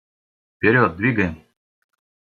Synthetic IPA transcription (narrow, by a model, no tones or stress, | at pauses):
pʲeɾʲot̪̚d̪vʲiɡəjm